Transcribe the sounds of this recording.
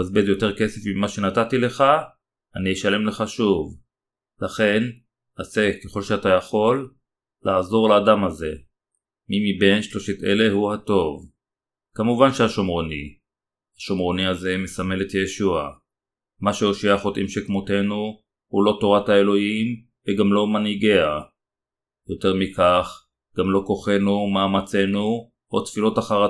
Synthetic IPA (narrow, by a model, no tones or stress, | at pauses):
azbezjo̞te̞ʁke̞se̞fimːaʃe̞natatile̞χa | anijeʃale̞mle̞χaʃuv | laχe̞n | aseke̞χo̞lʃeatajaχo̞lː | aːzo̞ʁlaːdamhaze̞ | mimibe̞nʃloʃitḛle̞huhato̞v | kamuvanʃehaʃomʁoni | haʃomʁo̞niaze̞mesame̞letjeʃua | maʃeoʃiaχo̞tʔimʃekmote̞nu | hulo̞to̞ʁathae̞lo̞him | veɡamlo̞maniɡe̞a | jo̞te̞ʁmikaχ | ɡ̥amlo̞ko̞χe̞numaːmat͡se̞nu | otfilo̞taχaʁa